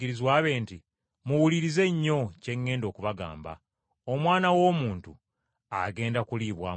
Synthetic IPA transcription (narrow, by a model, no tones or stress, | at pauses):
iɾizwaːβe̞ːnti | muwuliɾize̞ɲːo̞ce̞ŋːe̞ːndo̞ːkuβaɡa̰ːmba̰ | o̞mwaːnawo̞ːmuːntu | aɡe̞ːndakuliːβwa̰ː